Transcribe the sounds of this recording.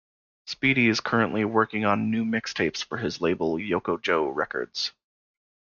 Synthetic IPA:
spiɾiɨz̥kʰɜ˞ɨ̃nʔliwɜ˞kɪ̃ŋə̃nːʉmɪkstʰeɪpsfə˞ɨzleɪbl̩ˠjoʊkoʊd͡ʒoʊɹɛkə̰˞dz̥

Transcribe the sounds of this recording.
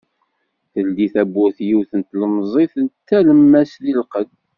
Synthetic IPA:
θəld̪iθæbːʊθjiwθənt̪ːləmzˤiθənt̪ːæləmːæslilqəd

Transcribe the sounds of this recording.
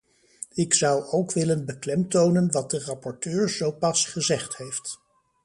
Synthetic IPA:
ɪksʌwowkʋɪlənbəklɛmtownənʋɑt̚dərɑpɔɹtøːɹz̥owpɑsχəzɛχthejft

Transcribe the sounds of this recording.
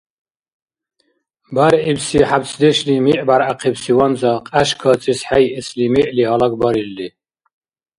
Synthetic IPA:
baɾibsiħabt͡sʰd̪ɛʃlimiʔbaɾʔaqʰɛbsiwamzaqʼaʃkʰat͡sʼisħajʔɛslimɛʔliɦalaɡbaɾilːi

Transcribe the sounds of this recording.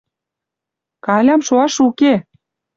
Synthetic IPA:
kɑlʲɑmʃoɑʃuke

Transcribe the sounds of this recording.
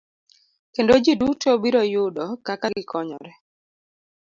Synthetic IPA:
kendod͡ʒidutobiɾɔjʊdɔkakaɡɪkʰɔɲɔ̰ɾɛ

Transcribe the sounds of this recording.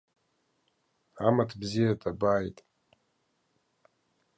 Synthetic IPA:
amatʰbzijatʰabaːjtʼ

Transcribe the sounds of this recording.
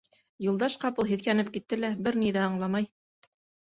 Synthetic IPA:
julˠd̪ɑʃqɑpɤlˠɦiðkænɘp̚kit̪ːɘlæbɘɾniðæɑɴlˠɑmɑj

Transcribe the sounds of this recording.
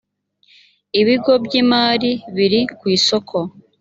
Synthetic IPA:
iβiɡo̞bɟimaːɾiβiɾikwiːso̞kʰo̞

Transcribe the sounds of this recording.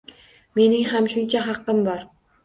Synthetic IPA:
me̞nɪŋɦamʃʊnt͡ʃʰaɦɑqːɨmbɒɾ

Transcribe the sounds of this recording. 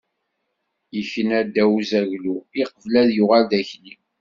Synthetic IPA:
jəçənæd̪æwzæʝluiqəvlæðjʊʁæld̪æçni

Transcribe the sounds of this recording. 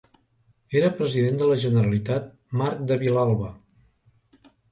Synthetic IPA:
eɾəpɾəziðend̪ələʒənəɾəlit̪at̪̚ | maɾk̚d̪əβilalˠβə

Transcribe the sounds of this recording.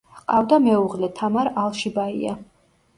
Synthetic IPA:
qʼavd̪amɛuʁlɛt̪ʰamaɾalˠʃibaḭa̰

